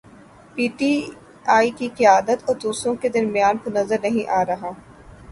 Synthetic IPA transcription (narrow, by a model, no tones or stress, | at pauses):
piːʈiː | aːikiqɪjaːd̪ət̪ɔːɾd̪uːsɾõked̪ɐɾmijaːnpʊnɐzəɾnɐɦĩʔaːɾɐɦaː